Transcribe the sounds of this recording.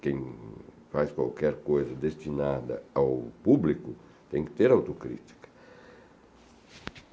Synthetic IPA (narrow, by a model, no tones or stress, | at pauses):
kẽj̃ | fajskwa̰lkɛɾkojzɐd̪est̪inad̪ɐ̰awpubliku | t̪ɛ̃ŋkɪ̥t̪eɾawt̪ukɾḭt̪i̥kɐ̥